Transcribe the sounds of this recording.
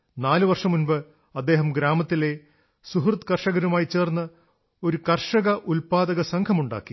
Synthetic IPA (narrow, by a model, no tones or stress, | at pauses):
naːlɨʋɐrʂɐmunbɨ | ɐd̪ːe̞ːɦɐmɡɾaːmɐt̪ːile̞ | suɦrt̪kɐrʂɐɣɐɾumaːjit͡ɕe̞ːrnːɐ | o̞ɾukɐrʂɐɣɐʔulpaːd̪ɐɣɐsɐŋkʰɐmuɳɖa̰ːkːi